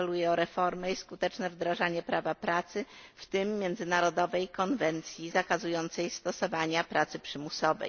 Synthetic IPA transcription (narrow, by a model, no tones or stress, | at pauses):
lujɛɔɾɛfɔɾmɛiskut̪ɛt͡ʂnɛvd̪ɾaʐaɲɛpɾavapɾat̪sɘft̪ɘmːʲjɛnd̪zɘnaɾɔd̪ɔvɛjkɔnvɛnt̪sʲjizakazujɔnt̪sɛjst̪ɔsɔvaɲapɾʔat̪sɘpʂɘmusɔvɛ̰j